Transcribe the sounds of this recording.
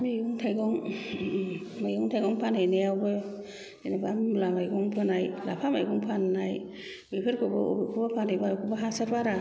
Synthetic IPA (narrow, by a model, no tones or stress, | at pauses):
miuŋtʰajɡɔŋ | majuŋtʰajɡɔŋpʰanajnejawbɯ̥ | enabamlamajɡɔŋpʰɯnajlapʰamajɡɔŋpʰanːaj | bipʰɯɾkʰɯbɯo̰bɯkʰubapʰanɯjbakʰubaɦasaɾbaɾa